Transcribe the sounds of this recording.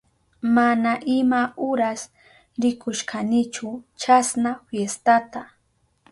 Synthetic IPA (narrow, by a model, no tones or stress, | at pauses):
manaʔɪmaʊɾas | ɾɪkʊʃkʰanɪt͡ʃʊt͡ʃasnaɸjest̪at̪a